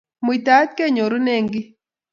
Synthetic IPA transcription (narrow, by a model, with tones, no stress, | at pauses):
mwi˨t̪a˦t̪̚ke˦˨ɲo˨ɾu˦ne˦˨ŋɡɪ˦